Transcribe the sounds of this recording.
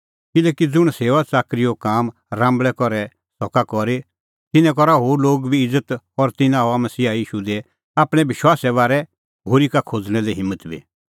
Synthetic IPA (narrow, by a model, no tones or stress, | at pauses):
kɪlɛːkid͡zʊɽ̃seːʋat͡saːkɾɪjokaːm | ɾãːmbɭɛkɔɾɛ | sɔkakɔɾe | t̪ɪnɛ̃k̬ɔɾaɦoːɾloːɡbʱiɪd͡zət̪ | ɔɾt̪ɪnãɦɔamɐsiːajiːʃud̪ɛ | aːpɽ̃ɛ̃bɪʃwaːsɛβaːɾɛ | ɦoːɾikakʰoːd͡zɽ̃ɛ̃lɛɦɪ̃mːət̪bʱḭ